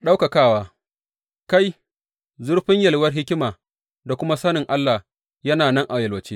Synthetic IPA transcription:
ɗa˦wka˨kaː˦˨waː˦ | ka˦j | zʊ˦ɽɸɪ˦ɲjɐ˨lwɐ˦rɦɪ˦kʲɪ˦maː˨ | da˨kʷʊ˦ma˦sɐ˦nɪ˨ŋʔa˦lːa˨h | jɐ˦naː˨nɐ˦ŋʔa˨jɐ˨lwɐ˨t͡ʃeː˦

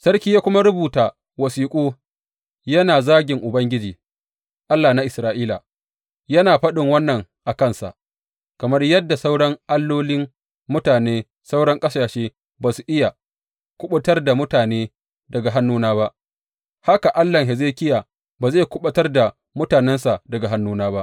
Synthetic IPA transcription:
sɐ˦rkʲiː˦jaː˦kʷʊ˦ma˦ɽʊ˦buː˨taː˨ | wɐ˨siː˦kʷʼoː˦ | jɐ˦naː˨zaː˦ɡʲɪ˨ŋʔʊ˨bɐ˦ŋɡʲɪ˦d͡ʒiː˨ | ʔa˦lːaː˨na˦ʔɪ˨sɾaː˦ʔiː˦la̰˨ | jɐ˦naː˨ɸɐ˦ɗɪ˨ŋwɐ˦nːɐ˨ŋʔa˨kɐ˦˨nsa̰˨ʔ | kɐ˨mɐ˦rjɐ˦dːa˨sa˦wɽɐ˦ŋʔa˦lːoː˦lɪ˦m | mʊ˦taː˨neː˦ | sa˦wɽɐ˦ŋkʼɐ˦saː˨ʃeː˦ | baː˨su˨ʔɪ˦ja˨ | kʷʊ˦ɓɐ˦tɐ˦rda˨mʊ˦taː˨neː˦ | dɐ˨ɡa˨ɦa˦nːuː˦naː˦ba˦ʔ | ha˦ka˨ʔa˦lːɐ˨ŋɦe˨zeː˦kʲɪ˦jaː˨ | baː˨ze˦˨kʷʊ˦ɓɐ˦tɐ˦rda˨ | mʊ˦taː˨nɛ˦nsa˨dɐ˨ɡa˨ɦa˦nːuː˦naː˦ba˦ʔ

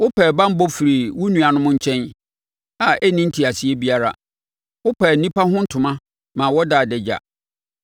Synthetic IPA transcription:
wʊ˦pʰɛ˨bã˦m̩˦bɔ˦fi˨ɾi˨wʊ˦nũ˨a˨nʊ̃˦mʊ̃˦ɲ̩˦t͡ɕʰɛ̃˦n | a˨ʔɛ˦nĩ˦n̩˦tʰi˨a˨si˨˦ɛ˦bi˦a˦ɾa̰˨ | wʊ˦pɛː˨n̩˨nĩ˦pa˦ɦʊ̃˦n̩˦tʰʊ̃˨mã˦ | mãː˨wɔ˦da˨dɛ˨d͡ʑa̰˨

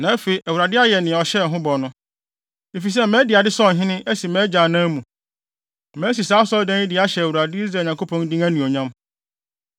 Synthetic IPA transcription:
nã˨˦ɛ˦fe˨i˨ʔæ˨wu˨ɾa˨dɪ˦a˦jɛ˨nɪ̃˨ɔ˨ɕɛ˦˨ɦʊ̃˦bɔ˨nʊ̃˦ | e˨fi˨s̬ɛ˦mɛ̃˦dɪ˨a˨dɪ˦sɔ˦˨ɦɪ̃˦nɪ̃˦ɛ˦si˨mɛ̃˨˦d͡ʑã˨nã˦mũ˨ | mɛ̃˨˦s̬i˨saː˨˦sɔ˦dã˦nɪ̃˦dɪ˨˦a˦ɕɛ˨æ˨wu˨ɾa˨dɪ˦i˦ɾaː˨ɲ˨ã˨ŋko˦pʰɔ̃˦n˦dĩ˦ŋæ˦nũ˨ɔ˨ɲã˦m

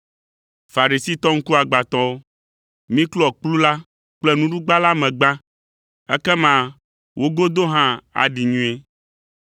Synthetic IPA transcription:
fa˨ɾi˨si˦t̪ɔ˦ŋ̩˦ku˦a˨ɡ͡ba˨t̪ɔ̃˦o˦ | mĩ˦klɔ˨k͡plu˦la˦ | k͡plɛ˦nũ˦ɖu˦ɡ͡ba˦la˦mɛ̃˨ɡ͡bã˦ | ɛ̰˦kɛ˦mã˦ | wʔo˦ɡo˦d̪o˦ɦã˦a̰˨ɖi˨ɲũ˦e˦

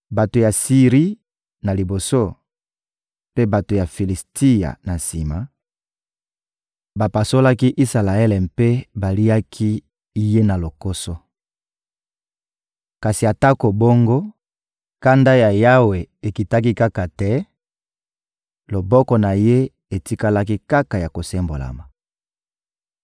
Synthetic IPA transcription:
ba˨to˨ja˨si˨ʁi˦ | na˨li˨bo˨so˦ | pe˦ba˨to˨ja˨fi˨li˨stʰi˦ja̰˨na˨nsḭ˨ma˨ | ba˨pa˨so˦la˦ki˦ʔi˦sa˨la˨ɛ˦lɛ˨mpe˦ba˨li˦a˦kʰi˦ | je˦na˨lo˨ko˦so˦ | ka˨si˨a˨ta˦ko˨bo˦ŋɡo˦ | ka˦nda˦ja˨ja˦we˨e˨ki˨ta˦k̬i˦ka˦ka˨tɛ˦ | lo˨bɔ˦kɔ˨na˨je˦ | e˨ti˦ka˦la˦ki˦ka˦ka˨ja˨ko˨sɛ˦mbo̰˨la̰˨ma˨

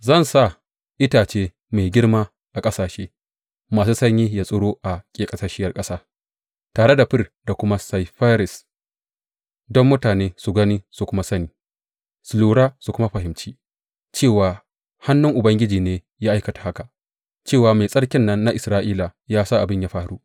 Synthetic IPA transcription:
zɐ˦˨nsa˦˨ | ʔɪ˦taː˨t͡ʃeː˦ | me˨jɡʲɪ˦rmaː˦ | ʔa˨kʼɐ˦saː˨ʃeː˦ | maː˨suː˦sɐ˦ɲjiː˦jaː˦sʼʊ˦ɽoː˦ʔa˨kʲʼeː˨kʼɐ˨sɐ˦ʃɪ˦jɐ˨rkʼɐ˦saː˦ | taː˨ɽe˦da˨ɸɪ˦rda˨kʷʊ˦ma˦sa˨jɸa˦ɾɪ˨s | dɔ˦mːʊ˦taː˨neː˦su˨ɡɐ˦niː˦su˨kʷʊ˦ma˦sɐ˦niː˨ | sʊ˨luː˨ɽaː˦su˨kʷʊ˦ma˦ɸɐ˨ɦɪ˨mt͡ʃiː˦ | t͡ʃeː˦˨waː˨ | ha˦nːʊ˦ŋʔʊ˨bɐ˦ŋɡʲɪ˦d͡ʒiː˨neː˦ | jaː˦ʔa˦jkɐ˨tḁ˨ha˦ka˨ | t͡ʃeː˦˨waː˨me˨jsʼɐ˦ɽkʲɪ˦nːɐ˦nːa˦ʔɪ˨sɾaː˦ʔiː˦la˨jaː˦saː˦˨ʔa˨bɪ˦ɲja˦ɸaː˦ɾu˦

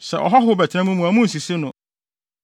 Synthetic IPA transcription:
sɛ̰˨ʔɔ̰˨ɦɔ˦ɦʊ˦bɛ˨tʰɪ˦nã˦mũ˦mũ˨æ˨mũ˦n̩˨si˨si˦nʊ̃˨

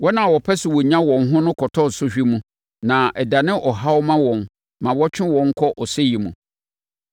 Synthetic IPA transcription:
wɔ˦nã˨wɔ˨pʰɛ˦sɪ˨wɔ˨ɲã˦wɔ̃˨nɦʊ̃˦nʊ̃˦kʰɔ˨tʰɔ˦˨n̩˨sʊ˦ɕᶣi˦mũ˦ | nã˨ʔɛ˨da˨nɪ̃˦ʔɔ˨ɦa˦wmã˦wɔ̃˨n | mã˨wɔ˦t͡ɕʰᶣɪ̃˦wɔ̃˨˦ŋ̩˦kʰɔ˦ʔɔ˨sɛ˦ji˨mũ˨

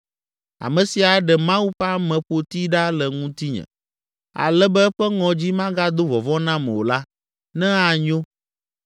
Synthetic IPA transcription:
a̰˨mɛ̃˨si˨a˨ɖɛ˨mã˦wu˦ɸa˦mɛ̃˨ɸo˨t̪i˦ɖa˦lɛ˨ŋũ˦t̪i˦ɲɛ̰̃˨ | a̰˨lɛ˦bɛ˦ɸɛ˦ŋɔ̃˨d͡ʑi˦mã˦ɡa˦d̪o˦vɔ˨vɔ˦nã˦mɛ̰̃˨wo̰˨la˦ | nɛ̃˦a˨ɲo˦

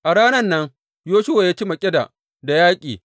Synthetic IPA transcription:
ʔa˨ɽaː˦nɐ˦nːɐ˦ŋ | joː˦ʃʊ˦wa˨jaː˦t͡ʃi˦mɐ˨kʲʼɪ˦da̰˨ | da˨jaː˦kʲʼiː˨

